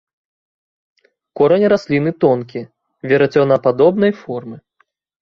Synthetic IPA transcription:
kɔɾɐnʲɾasʲlʲinɨt̪ɔnkʲi | vʲɛɾat͡sʲɔnapad̪ɔbn̪ɐjfɔrmɨ

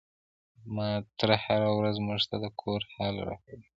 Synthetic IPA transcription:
mɑt̪əɾhaɾawɾazmuʒt̪ad̪əkʰoɾhɑlɾɑ̰kawi

